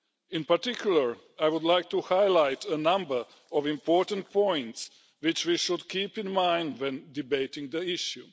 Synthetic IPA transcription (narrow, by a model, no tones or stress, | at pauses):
ɪ̃npaɾtɪkʰjulˠəɹ | ajwʊd̪lajk̚tuhajlajtʰənãmbə˞ | ɔvĩmpʰɔɹtə̃nt̚pʰɔ̃j̃nts | wɪt͡ʃwiʃʊdkʰiːpɪ̃nmãj̃ndwɛ̃ndibeɪtɪ̃ŋd̪əɪʃju